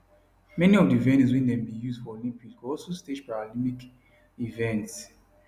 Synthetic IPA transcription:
mɛniɔvdiivɛ̃niswĩndɛ̃mbijuzd̥fɔolĩmpikɔlsosted͡ʒpaɹalĩmpik | ivɛ̃nts

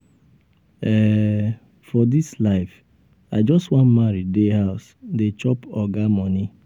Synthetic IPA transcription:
ɛ | fɔdislaɪf | aɪd͡ʒɔstwãnmaɾideɦaʊs | det͡ʃɔpɔɡamɔni

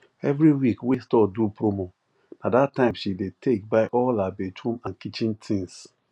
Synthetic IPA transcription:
ɛvɾiwikwestɔdupʰɾomo | nadatːãɪ̃mʃidetʰek̚baɪʔɔlabethũmãnkit͡ʃĩntʰĩŋs

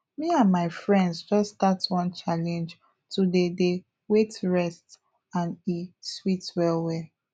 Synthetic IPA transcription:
miãnmaɪfɹɛ̃ndzd͡ʒɔsdatwɔ̃nt͡ʃalɛ̃nd͡ʒ | tudede | wetɹɛst | ãniswitwɛlwɛ

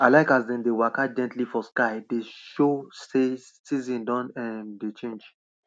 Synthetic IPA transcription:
aɪlaɪkazdɛ̃ndewakad͡ʒɛ̃ntlifɔskaɪdeʃose | sizĩndɔ̃nɛ̃ndet͡ʃẽnd͡ʒ

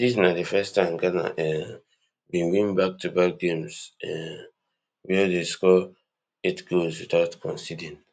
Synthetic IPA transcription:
dis̬nadefɛstãɪ̃mɡana̰ʔɛ | bĩwĩnbak̚tubak̚ɡẽmsɛ | wɛdeskɔ | etɡolswitaʊtkʰɔ̰̃nsidĩn

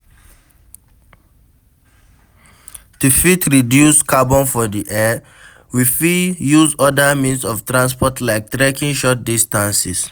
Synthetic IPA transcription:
tufitʰɹidjuskʰabɔ̃nfɔdiʔɛ | wifijuzɔdəmĩnsɔftɹãnspɔtlaɪk̚tɹekĩŋʃɔt̚distãnsis

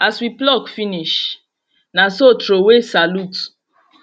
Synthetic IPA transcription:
aswiplɔkfiniʃ | nasotɾowesalut

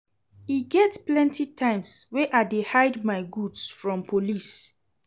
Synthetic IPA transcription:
iɡɛtplɛ̃ntitʰãɪ̃mswɛʔadehaɪdmaɪɡudsfɹɔ̃mpʰolis

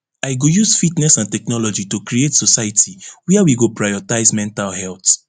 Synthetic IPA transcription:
aɪɡojuzfitnɛsãntɛknɔlɔd͡ʒitokɹietsɔsajatʰiwɛawiɡopɹajɔtaɪzmɛ̃ntalhɛlt

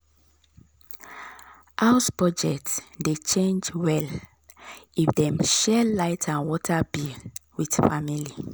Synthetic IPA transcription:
ʔaʊspɔd͡ʒɛtsdet͡ʃẽnd͡ʒwɛl | ifdɛ̃mʃɛlaɪtʰãnwɔtʰabiwid̥famili

